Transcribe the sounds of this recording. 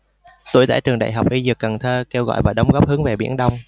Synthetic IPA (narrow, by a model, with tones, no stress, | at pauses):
t̪u˧˩˨jt̪a̰ː˧˨jt͡ɕɨ˨˩ŋɗa̰ː˧˨jɦa˨˩wk͡p̚ʔi˧zɨ˨˩ə˩kːə˨˩nt̪ʰəː˧kɛ˧wɣɔ̰˧˨jvaː˨˩ɗə˨˦wŋ͡mɣɔ˦˥p̚hɨ˨˦əŋve˨˩ɓḭ˧˥ənɗə˧wŋ͡m